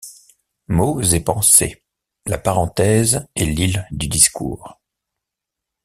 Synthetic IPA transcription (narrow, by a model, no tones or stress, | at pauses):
mozepɑ̃sḛ | lapaʁɑ̃t̪ɛzɛlild̪yd̪iskʰṵːʁ